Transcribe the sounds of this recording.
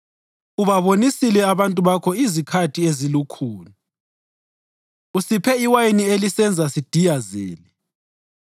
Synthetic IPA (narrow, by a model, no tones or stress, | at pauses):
uβaβonisilɛaβantʼuβakʰɔizikʰatʰiezilukʰuːla | usipʰɛiwajinielisɛnd͡zʱasid̥ʱijazḛːli